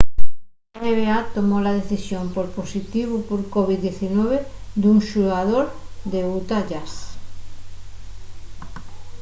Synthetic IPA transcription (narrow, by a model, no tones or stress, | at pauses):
eneβeat̪omolaðeθisjompoɾposit̪iβupoɾkoβid̪eθinɔβed̪uŋʃuaðoɾd̪eut̪aʎas